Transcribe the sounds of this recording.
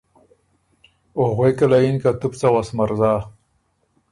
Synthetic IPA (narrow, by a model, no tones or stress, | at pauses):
oɣwekalainkat̪upt͡sawasmaɾzaː